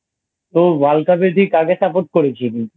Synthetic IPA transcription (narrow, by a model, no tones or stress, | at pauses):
t̪obalkapeɾt̪ikaɡesapot̪̚koɾet͡ɕʰini